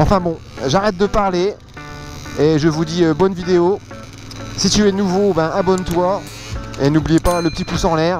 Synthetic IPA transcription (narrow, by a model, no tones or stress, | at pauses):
ɑ̃fɛ̃bɔ̃ | ʒaʁɛt̪̚d̪əpaʁle | eʒəvud̪iøbɔnvid̪eo | sit̪yɛnuvobɛ̃ʔabɔnt̪wa | enublijepaləpə̥t̪ipusɑ̃lɛːʁ